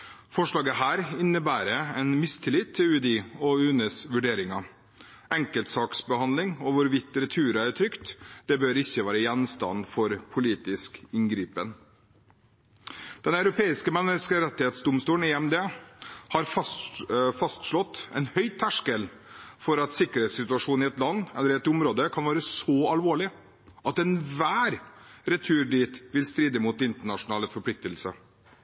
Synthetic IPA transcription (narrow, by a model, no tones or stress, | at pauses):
fɔʂɭɑːɡəɦæːɾɪnːəbæːɾəɛnmɪst̪ʰɪlɪt̪ʰːɪʉd̪ɪɔʉːnəsʋʉɖeːɾɪŋɑ | ʔɛŋkəlt̪sɑːksbəhɑnd̪lɪŋɔʋʊɾʋɪt̪ːɾɛt̪ʰʉːɾɑæɾtʰɾʏkt̪d̪̥ɛbøːɾɪçːəʋæːɾəjɛnst̪ɑ̰nfɔɾpʰʊliːt̪ɪskɪŋɡɾiːpən | d̪̥ɛnɑʉɾʊpʰeːɪskəmɛnːəskəɾɛt̪ːɪheːt̪sd̪ʊmst̪uːlnɛɛmd̪eːhɑɾ | fɑst̪ʂɭɔt̪ːɛ̰ɪnhœʏt̪ʰːæʂkəl | fɔɾɑt̪sɪkəɾheːt̪sɪt̪ʉɑʂuːnɪɛt̪lɑnːɛlːəɾɛt̪ːʊmɾoːd̪əkʰɑnʋɑːɾəsɔɑlʋoːɭɪ | ʔɑt̪ɛnʋæːɾɾɛt̪ʰʉːɾɖiːt̪ʋɪlst̪ɾiːd̪əmut̪ɪnt̪əɳɑʂʊnɑːləfɔɾpʰlɪk̚t̪əlsə